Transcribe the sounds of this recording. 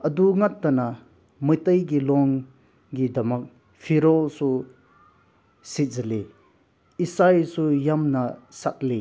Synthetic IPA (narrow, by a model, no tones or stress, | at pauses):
ɐduŋatːana | mɯjtəjɡilɔŋ | ɡidɐmɐk̚ | pʰiɾɔlsu | sizɐli | isajsujamnɐsat̚li